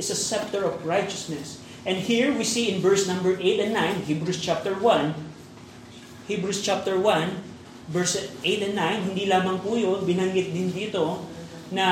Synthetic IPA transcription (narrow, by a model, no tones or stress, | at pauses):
ɪsɐsɛp̚t̪ɔɹɔvɹajt͡ʃɐsnɛs | ʔɛ̃nd̪hiɹwisiɪ̃nvɛɹsnɐ̃mbɛɹʔejt̪ɛ̃nːãjnhibɹust͡ʃap̚t̪ɛɹwɐ̃n | hibɹust͡ʃap̚t̪ɛɹwan | vɛɹsʔejt̪ɛ̃nːãjnhɪ̃nd̪ilaːmɐŋpuːjonbɪnɐŋɡɪt̪̚d̪ɪnd̪iːt̪o | nɐ